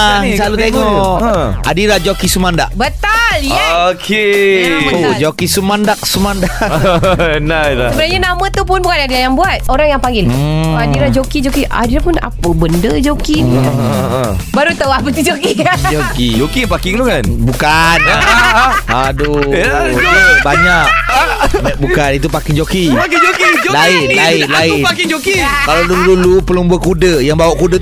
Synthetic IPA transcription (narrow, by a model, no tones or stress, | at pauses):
salut̪eŋɔkadiɾad͡ʒokisumandaʔbət̪aljaokʰe | ud͡ʒokisəmandak̚sumanda | naasəbənaɲanamə̃t̪upʊnbukanadiajaŋbuat̪̚oɾaŋjaŋpaŋɡiladiɾad͡ʒokid͡ʒokiʔa̰diɾapʊna̰pəbəndəd͡ʒokini | baɾut̪awap̬ət̪ud͡ʒokikd͡ʒokid͡ʒokiapakiŋlukanbukana | adujabaɲak̚ | abukanit̪̬upakɪŋd͡ʒokid͡ʒokilaɪnlaɪlaɪakɪŋd͡ʒokikalawdudulupəlumbuakudəjaŋbawaʔkudə